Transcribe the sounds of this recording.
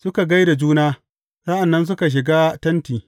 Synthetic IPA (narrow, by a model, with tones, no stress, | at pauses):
sʊ˦ka˨ɡa˦jda˨d͡ʒuː˦naː˦ | sa˦ʔa˨nːɐ˦ns̬ʊ˦ka˨ʃ̬ɪ˨ɡaː˦tɐ˦ntiː˨